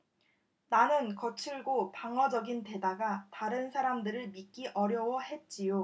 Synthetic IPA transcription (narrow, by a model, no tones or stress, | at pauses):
nanɯnkʌt͡ɕʰɯɭɡopaŋʌd͡ʑʌɡinte̞daɡataɾɯnsʰaɾamdɯɾɯɭmik͈iʔʌɾjʌwʌhe̞t̚t͡ɕ͈ijo